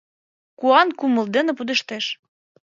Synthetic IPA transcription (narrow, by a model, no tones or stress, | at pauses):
kuɑnkumə̆ld̪ə̆nə̆pud̪ə̆ʃt̪eʃ